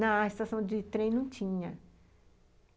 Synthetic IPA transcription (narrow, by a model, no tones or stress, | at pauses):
nɐist̪asɐ̃w̃d͡ʒɪt̪ɾẽj̃nɐ̃w̃t͡ʃĩɲɐ